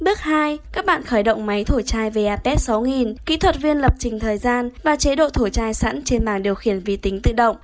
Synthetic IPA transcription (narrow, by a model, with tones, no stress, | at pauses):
ɓɨ˦˥ək̚haː˧jkaː˦˥k̚ɓa̰ː˧˨nxəː˧˩jɗə̰˧˨wŋ͡mma˨˦jt̪ʰo˧˩t͡ɕaː˧jve˨˩ʔaː˧pɛ˦˥t̚sa˨˦wŋi˨˩nkḭ˧˥t̪ʰwə˨˩t̚vi˧ənlə˨˩p̚t͡ɕï˨˩ŋ̟t̪ʰəː˨˩jzaː˧nvaː˨˩t͡ɕe˨˦ɗo̰˧˨t̪ʰo˧˩t͡ɕaː˧jsa̰˧˥nt͡ɕe˧nɓaː˨˩ŋɗi˨˩əwxi˧˩ənvi˧˩t̪ï˨˦ŋ̟t̪ɨ̰˧˨ɗə̰˧˨wŋ͡m